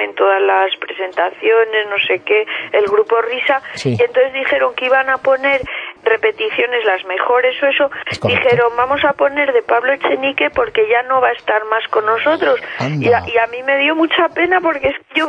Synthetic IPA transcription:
ent̪o̞ðazlaspɾe̞se̞nt̪aθjo̞ne̞zno̞se̞ke̞elɣɾupo̞risaent̪oθe̞zðixe̞ɾo̞ŋkeiβanapo̞ne̞ɾre̞pe̞t̪iθjo̞ne̞zlazme̞χo̞ɾe̞soe̞sod̪ixe̞ɾo̞mbamo̞sapo̞ne̞ɾðe̞paβloet͡ʃe̞nike̞po̞ɾke̞ʝano̞β̞ae̞st̪aɾmasko̞nːo̞so̞t̪ɾo̞siamĩme̞ðjo̞mut͡ʃape̞napo̞ɾkeeskʝo

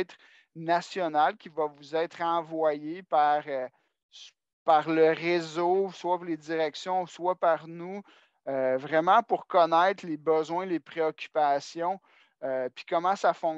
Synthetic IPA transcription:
t̪χ | nasjɔnalkʲivavuzɛɪt̪χɑ̃vwajepaʁø | s | paʁləʁezoswaled͡ziʁɛksjɔ̃swapaʁnu | øvʁɛmãpuʁkɔnɛɪt̪χlebəzwɛ̃lepχeɔkʲy̥pasjɔ̃ | øpi̥kʌmɑ̃safɔ̃

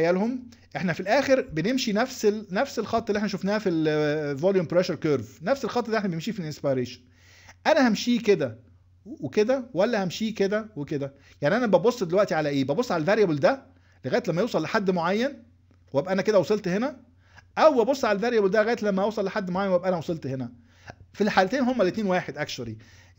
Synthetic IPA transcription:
jælhom | ʔeħnæfilʔæːxeɾbenemʃinæfsnæfselxɑːt̪ˤːelːieħnæʃ̬ofnæːhæfilvɑːljumpɾeʃɑɾˤkøːɾvnæfselxɑt̪ˤːd̪æʔeħnæbenemʃiːfilʔenspæjɾeːʃo̥n | ʔænæhæmʃiːked̪æ | weked̪æwælːæhæmʃiːked̪æweked̪æ | jaʕniʔænæbæbosˤːd̪elwæʔt̪iʕalæʔeːbæbosˤːʕalælvæɾjæbld̪æ | leɣæːjet̪læmːæjewsˤɑlːeħad̪ːmoʕajːæn | wʔæbʔæʔænæked̪æwɑsˤelt̪henæ | ʔæwbæbosˤːʕalælvæɾjæbld̪æleɣæːjet̪læmːæɑwsˤɑlːeħad̪ːmoʕajːænwʔæbʔæʔænæwɑsˤelt̪henæ | filħaːlæt̪eːnhomːælːet̪neːnwaːħed̪ʔækt͡ʃwæli

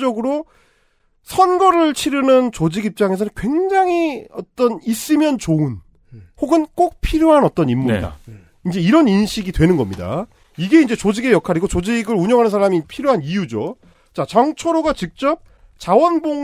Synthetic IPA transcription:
ʌɡɯɾo | sʰʌnɡʌɾɯɭt͡ɕʰiɾɯnɯnt͡ɕod͡ʑiɡip̚t͡ɕ͈aŋe̞s̬ʰʌnɯnkwe̞ŋd͡ʑaŋiʌt͈ʌnis͈ɯmjʌnt͡ɕoun | hoɡɯnk͈ok̚pʰiɾjoɦanʌt͈ʌnimːuḭda̰ | ind͡ʑe̞iɾʌninɕʰiɡidwe̞nɯnɡʌmɲida̰ | iɡe̞ind͡ʑe̞t͡ɕod͡ʑiɡejʌkʰaɾiɡot͡ɕod͡ʑiɡɯɾuɲʌŋɦanɯnsʰaɾamipʰiɾjoɦanijud͡ʑo | t͡ɕat͡ɕʌŋt͡ɕʰoɾoɡat͡ɕik̚t͡ɕ͈ʌp̚ | t͡ɕawʌnbo

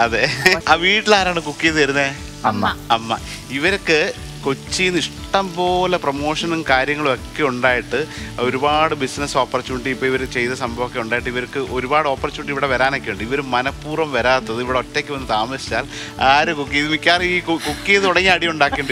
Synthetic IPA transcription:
ɐðeaːʋiːʈːilaːɾaːɳɨkukːijɐðɨʋɐɾunːɐ | ɐmːɐ̰ɐmːɐ̰ | iʋɐɾokːɨ | kot͡ɕːiniʂʈɐmpo̞ːlɐprɐmo̞ːʂɐnumkaːɾjɐŋːɐɭokːe̞uɳɖaːjiʈːɨo̞ɾubaːɽɨbisnɐso̞ːpːɐrɐt͡ɕːuːɳʈiipːoːiʋɐɾt͡ɕe̞jt̪ɐsɐmbʱɐʋokːe̞uɳɖaːjiʈːɨiʋɐɾokːɨʔo̞ɾubaːɽɨo̞ːpːɐrɐt͡ɕːuːɳɖiʋiɽe̞ʋɐɾaːnokʲːeɳɖɨiʋɐɾumːɐnɐpːuːrɐmʋɐɾaːt̪ːɐðɨiʋiɽeo̞tːeːkʲːɨʋɐnːɨt̪aːmɐsi̥t͡ɕːaːl | aːɾɨkukːiiðumikʲːaːriːkukːijɐðɨuɽɐɲːɨɐɽijuɳɖaːkːeːɳɖ

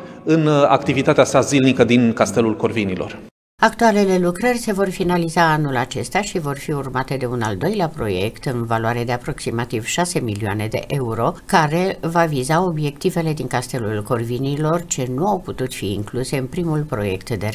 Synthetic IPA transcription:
ɨna̰kt̪ivit̪at̪easazilnikəd̪inkast̪e̞lulko̞rvinilʔo̞̰r | akt̪uale̞le̞lukɾərʲse̞vo̞rfinalizaːnulat͡ʃe̞st̪aʃivo̞rfiurmat̪e̞d̪e̞unald̪o̞jleapɾo̞̰je̞kt̪ɨnvaloaɾed̪e̞apɾo̞ksimat̪ivʃase̞milioane̞d̪e̞̰ʔe̞uɾo̞kaɾe̞vavizao̞bje̞k̚t̪ive̞le̞d̪iŋkast̪e̞lulko̞rvinilo̞rt͡ʃe̞nuawput̪ut̪fiːŋkluse̞ɨnpɾimulpɾo̞̰je̞̰kt̪d̪e

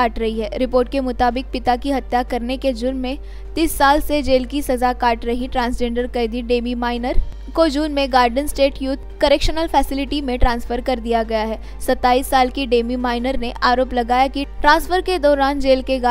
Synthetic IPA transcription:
aːʈɾɐɦiɦɛːɾɪpoːɾʈ̚kemʊt̪aːbɪk̚pɪt̪akiɦɐt̪jakɐɾneked͡ʒʊnmẽ | t̪iːsːaːlsed͡ʒeːlkisɐzakaːʈɾɐɦiʈɾãːnsd͡ʒẽːɳɖəɾkɐɪd̪iɖeːmimaːɪnəɾ | kod͡ʒuːnmẽɡaːɾɖənsʈeːʈjʊt̪ʰkɐɾɛːkʃənəlfʰɛːsɪlɪʈimẽʈɾãːnsfəɾkɐɾd̪ijaɡɐjaɦɛː | sɐt̪ːaːiːsːaːlkiɖeːmimaːɪnəɾneʔaːɾoːplɐɡaːjakiʈɾãːnsfəɾked̪ɔːɾaːnd͡ʒeːlkeɡ

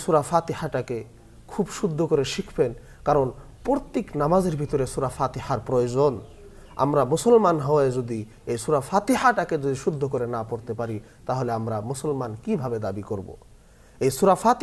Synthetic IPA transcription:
suɾafat̪ihaʈake | kʰubʃud̪ʱːokoɾeʃikʰben | kaɾon | poɾt̪iknamazeɾbʱit̪oɾesuɾafat̪ihaɾpɾojod͡ʑon | a̰mɾamusolmanɦɔed͡ʑod̪i | ejsuɾafat̪ihaʈaked͡ʑod̪iʃud̪ʱːokoɾenapoɾt̪epaɾi | t̪aɦoleamɾamusolmankibʱabed̪abikoɾbo̰ | ejsuɾafat̪i

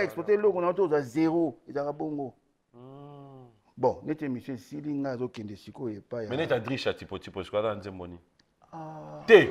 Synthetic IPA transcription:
ɛkspɔtelokonaot̬ozazeʁoezakaboŋɡo | bɔ̃netemisjɔ̃esiliŋɡaezokɛndesikoepamɛnetadʁiʃatipotiposi̥koaanzembɔni | ate

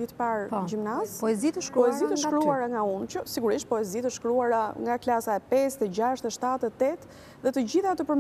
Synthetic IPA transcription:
it̪əpaɾpd͡ʑimnazpɔɛzit̪əʃɔɛzit̪əʃkɾuaɾaŋɡaunt͡ʃəsiɡuɾiʃpɔɛzit̪əʃkɾuaɾaŋɡaklasaɛpɛst̪ɛd͡ʑaʃt̪ɛʃt̪at̪ɛt̪ɛt̪ | ðɛt̪əd͡ʑiθaːt̪əpəɾm

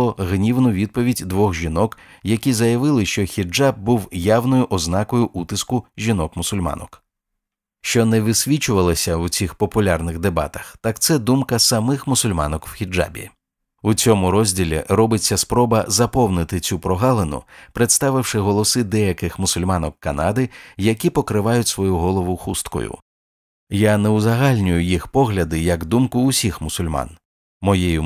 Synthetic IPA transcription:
ɔɣnʲiwnʊʋʲid̪̚pɔʋʲidʲd̪ʋɔxʒʲinɔk | jɐkʲizɐjɐʋɪlˠɪʃt͡ʃɔxʲid͡ʒab̚ːuwjawnɔjʊʔɔznɑkɔjʊʔut̪ɪskʊʒʲinɔkmʊsʊlʲmɑ̰nɔk | ʃt͡ʃɔnɛʋɪsʲʋʲit͡ʃʊʋɐlˠɐsʲɐwut͡sʲixpɔpʊlʲarnɪɣd̪ebɑ̰t̪ɐ̥xt̪akt̪sɛd̪umkɐsɐmɪxmʊsʊlʲmɑnɔkwxʲid͡ʒa̰bʲḭ | ʊt͡sʲɔmʊɾɔzʲdʲilʲḭrɔbɪt͡sʲːɐspɾɔbɐzɐpɔwnɪt̪ɪt͡sʲupɾɔɦɑlˠenʊ̰pɾet̪st̪aʋɪwʂɪɦɔlˠɔsɪd̪ɛjɐkɪxmʊsʊlʲmɑnɔkːɐnɑd̪ɪjɐkʲipɔkɾɪʋɑjʊtʲsʋɔjuɦɔlˠɔʋʊxust̪kɔ̰jʊ̰ | janɛʊzɐɦalʲnʲʊjʊjixpɔɦlʲɐd̪ɪjɐɡd̪umkʊːsʲixmʊsʊlʲmɑ̰n | mɔjɛjʊ

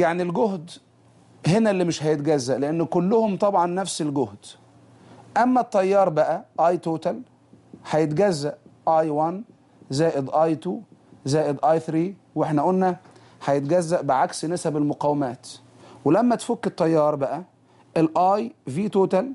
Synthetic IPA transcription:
jaʕnilɡoɦd̪ | ɦenælːimɪʃhæjet̪̚ɡæzːæʔleʔenːkʊlːʊhomt̪ˤɑbʕɑnːæfselɡohd̪̥ | ʔæmːæt̪ˤːɑjːɑːɾˤbæʔæʔɑːjt̪oːt̪æl | ħæjet̪ɡæzːæʔʔɑːjwæn | zæːʔed̪ʔɑːjt̪uːzæːʔed̪ʔɑːjθɾiːwʔeħnæʔolnæ | ħæjet̪ɡæzːæʔbɪʕaksnæsæbelmoqæwemæːt̪ | welæmːæt̪fokːet̪ˤːɑjːɑːɾˤbæʔæ | ʔelʔɑːjviːt̪oːt̪æl

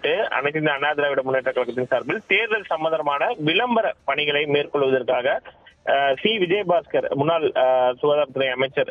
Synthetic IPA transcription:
ʈːɯɐ̰nɐɪt͡ʃːɪnd̪ɐːnaːðɪɾaːʋɪɽɐmʊnːeːʈrɐkːɐɭɐkːɐt̪ːɪnsaːɾbɪlt̪eːɾðɐlsɐmbɐnd̪ɐɾɐmaːnɐʋɪɭɐmbɐɾɐpɐɳɪɣɐɭɐɪmeːɾkɔɭːɯʋɐðɐɾkaːɣɐ | siːʋɪd͡ʒɐjbaːskɐɾmʊnːaːlsʊʋaːðaːɾɐt̪ːɯɾɐɪɐmɐɪt͡ʃːɐɾ

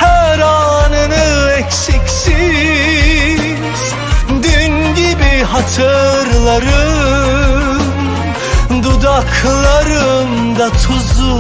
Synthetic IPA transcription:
hɛɾanɯnɯɛcsicʲsi | z̥ | d̪ynɟibiɦat̪ʰɯɾlˠaɾɯ | m | d̪ud̪akʰlˠaɾɯm | d̪at̪ʰuzu

